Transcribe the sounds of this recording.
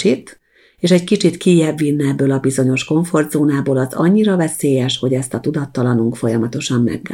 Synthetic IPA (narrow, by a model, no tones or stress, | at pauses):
it̪ | eːʃɛckit͡ʃit̪kijɛbːinːɛɛbːøːlɒbizo̞ɲo̞ʃko̞ɱfo̞rd̪zoːnaːboːlɒzɒ̰ɲːiɾɒvɛseːjɛʃho̞ɟɛst̪ɒt̪ud̪ɒt̪ːɒlɒnuŋkfo̞jɒmɒt̪o̞ʃɒmːɛ̰ɡː